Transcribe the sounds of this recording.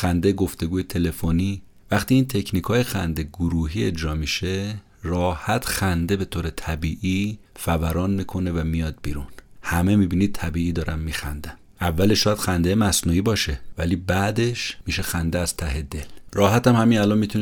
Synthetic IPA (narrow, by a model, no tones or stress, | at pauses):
xænd̪ejeɡo̞ft̪e̞ɡuːjet̪ʰe̞le̞foniː | væχt̪iːnt̪ʰe̞cʰniːkʰɒːjexænd̪eɡoɾuːɦiːe̞d͡ʒɾɒːmiʃe | rɒːhæt̪ʰxænd̪ebe̞t̪ʰoːɾe̞t̪ʰæbiːʔifævæɾɒːnmiːkʰo̞ne̞væmijɒːd̪̚bḭːɾunhæme̞miːbinid̪̚t̪ʰæbiːiːd̪ɒːɾæmːiːxæ̰nd̪æm | ʔævːæleʃːɔːjæd̪̥xænd̪ejemæsnuːiːbɒːʃe̞væ̰liːbæd̪e̞ʃmiʃe̞xænd̪eæz̥t̪ʰæɦe̞d̪e̞lrɒːɦæt̪æmhæminælɒnmiːt̪ʰune